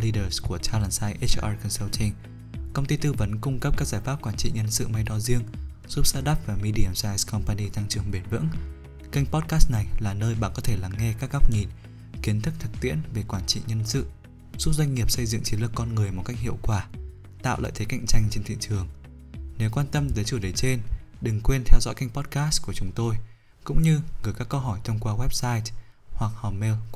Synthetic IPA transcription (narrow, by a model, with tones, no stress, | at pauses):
li˧ɗəː˨˩sku˧˩ət͡ɕaː˧laː˧˩nsaː˧jʔe˦˥t͡ɕʔa˧kɔ˧nsɛ˧wt͡ɕi˧ŋ | kə˧wŋ͡mt̪i˧t̪ɨ˧və˨˦nkʊ˧ŋ͡mkə˦˥p̚kaː˦˥k̚zaː˧˩jfaː˦˥p̚kwaː˧˩nt͡ɕḭ˧˨ɲə˧nsɨ̰˧˨ma˧jɗɔ˧zi˧əŋ | z̥u˦˥p̚saː˧ɗaː˦˥p̚vaː˨˩mi˧ɗi˧ə˧˩msaː˧jzkɔ˧mpa˧ni˧t̪ʰa˧ŋt͡ɕɨ˨˩əŋɓe˧˩nvɨ̰˧˥ŋ | kə˧jŋ̟pɔ˦˥t̚kaː˦˥st̚na˨˩jlaː˨˩nəː˧jɓa̰ː˧˨nkɔ˨˦t̪ʰe˧˩laː˨˦ŋːɛ˧kaː˦˥k̚ːa˦˥p̚ɲi˨˩n | ki˨˦ənt̪ʰɨ˦˥k̚t̪ʰɨ˨˩k̚t̪ḭ˧˥ənve˨˩kwaː˧˩nt͡ɕḭ˧˨ɲə˧nsɨ̰˧˨ | st̚zwa˧jŋ̟ŋi˨˩əp̚sə˧jzɨ̰˧˨ŋt͡ɕi˨˦nlɨ˨˩ə˩kːɔ˧nŋɨ˨˩əjmo˨˩t̚ka˦˥jk̟̚hḭ˧˨əwkwaː˧˩ | t̪a̰ː˧˨wlə̰ː˧˨t̪ʰe˨˦ka̰˧jŋ̟t͡ɕa˧jŋ̟t͡ɕe˧nt̪ʰḭ˧˨ə˨t͡ɕɨ˨˩əŋ | ne˨˦wkwaː˧nt̪ə˧mt̪əː˨˦jt͡ɕu˧˩ɗə˨˦jt͡ɕe˧n | ɗɨ˨˩ŋkwe˧nt̪ʰɛ˧wzɔ̰˧˥jka˧jŋ̟pɔ˦˥t̚kaː˦˥sku˧˩ət͡ɕʊ˨˦ŋ͡mt̪o˧j | kʊ̰˧˥ŋ͡mɲɨ˧ɣɨ˨˩jkaː˦˥kːə˧wɦɔ˧˩jt̪ʰə˧wŋ͡mkwaː˧wɛ˦˥p̚saː˧jthwa˨˩k̚hɔ˨˩me˧w